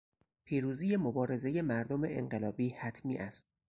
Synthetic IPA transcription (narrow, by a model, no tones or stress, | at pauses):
pʰiːɾuːziːje̞mobɒːɾe̞ze̞je̞mæɾd̪omeḛŋɢe̞lɒːbiːhæt̪ʰmiːʔæst̪̚